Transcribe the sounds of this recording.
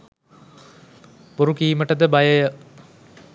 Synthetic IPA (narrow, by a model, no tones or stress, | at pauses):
buɾukiːməʈəd̪əbɐjɐjə